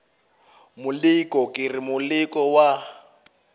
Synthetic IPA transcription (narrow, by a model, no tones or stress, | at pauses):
mʊlikʼɔkʼɪrimʊlikʼɔwa